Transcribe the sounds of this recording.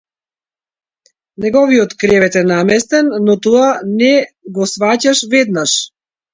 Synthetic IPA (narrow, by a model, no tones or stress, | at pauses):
nɛɡɔvijɔt̪kɾɛvɛt̪ɛnamɛst̪ɛnːɔt̪ɔanɛɡɔsvacaʃvɛd̪naʃ